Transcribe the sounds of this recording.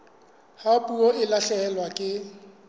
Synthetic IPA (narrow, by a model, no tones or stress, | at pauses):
hapʼuoɪlaɬɛːlwakʼɪ